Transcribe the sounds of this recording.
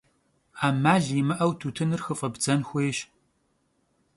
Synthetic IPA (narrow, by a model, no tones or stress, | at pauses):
aːmaːɮimɨʔɐwtʰutʰɨnɨrxɨfʼɐbd͡zɐnxʷeːɕ